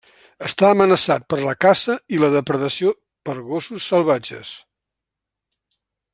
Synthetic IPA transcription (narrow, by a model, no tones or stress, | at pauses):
əst̪aəmənəsat̪̚pəɾləkasəiləðəpɾəðəsio | pəɾɣosusːəlˠβad͡ʒə̰s